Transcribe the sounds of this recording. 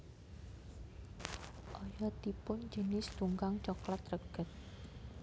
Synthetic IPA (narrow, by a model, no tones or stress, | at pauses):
ʔɔjɔt̪ipʊnd͡ʒənɪsd̪̥uŋɡaŋt͡ʃɔklat̪̚rəɡ̥ə̤t̪̚